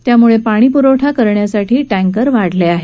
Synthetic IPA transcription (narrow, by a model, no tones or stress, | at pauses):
t̪jamuɭepaɽ̃iːpuɾoʈʰakəɾɳjasaʈʰiːʈæ̃ŋkəɾʋaɽleaɦe